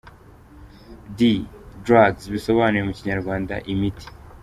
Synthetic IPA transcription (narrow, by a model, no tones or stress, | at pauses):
didɾaɡzβiso̞βaːnuɾemuciɲaɾɡwaːnda̰ʔimiti̥